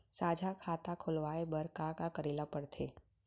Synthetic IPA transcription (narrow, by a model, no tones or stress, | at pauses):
saːd͡ʒʱakʰaːt̪akʰʊlʋaːebəɾkakakəɾeːlapəɽt̪ʰeː